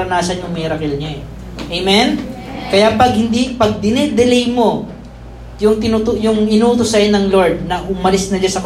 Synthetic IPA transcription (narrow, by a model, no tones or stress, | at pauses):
ɾɐnaːsɐnjʊŋmɛːɾɐkɪlɲaɛ | ʔejmɛn | kɐjapɐɡ̚hɪnd̪ipɐɡ̚d̪ɪnɛd̪ɛlɛjmo̞ | jʊŋt̪ɪnut̪ojʊŋʔɪnuːt̪osɐjonɐŋlo̞ɹd̪̚nɐhʊmɐlɪsnɐd͡ʒɐsɐk